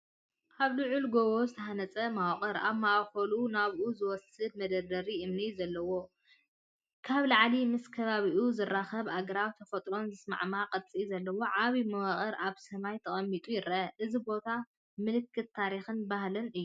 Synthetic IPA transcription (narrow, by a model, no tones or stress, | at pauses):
aβlɨʕulɡowo̞zɨt̪ʰɐhanɐt͡sʼɐmawχʼɐɾa̰βmawxɐlunaβuzɨwɔsɨd̪̚mɐd̪ɐd̪ɐɾiʔɨmnizɐlːɐwo̞ | kʰaβlaʕlimɨskʰɐβaβiʔuzɨrːaxɐβaɡɐɾawt̪ʰɐfɐt̪ʼɾo̞nzɨsma̰ʕmaqʼɐt̪ʼt͡sʼizɐlːɐwo̞ʕaβimɐwaχʼɐɾʔaβsɐmajt̪ʰɐχʼɐmːit̪ʼujɪɾʔɐʔɨzibo̞t̪ʰa | mɨlɨkʰːɨt̪ːaɾixɨnbahlɨnɨjːu